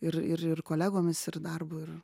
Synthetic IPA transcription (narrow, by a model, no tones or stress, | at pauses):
ɪrɪrɪrkoːlʲæːɡoːmʲɪsɪrd̪ɐrbʊːɪr